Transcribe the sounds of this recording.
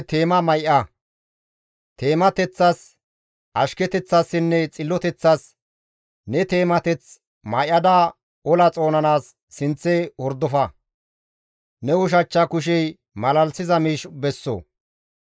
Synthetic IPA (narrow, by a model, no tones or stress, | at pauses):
t̪eːmɐmɐjʔɐ | t̪e̞ːmɐt̪ɛt͡sːɐs | ʔɐʃkɛt̪ɛt͡sːɐsːɪnːɛt͡sʼɪlːɔt̪ɛt͡sːɐs | nɛt̪e̞ːmɐt̪ɛt͡s | mɐjʔɐd̪a | ɔlɐt͡sʼo̞ːnɐnaːsː | ɪnt͡sːɛwɔɾd̪ɔfɐ | nɛwʊʃ̬ɐt͡ʃːɐkʊʃ̬ɛj | mɐlɐlsɪzɐmiːʃbɛsːɔ̰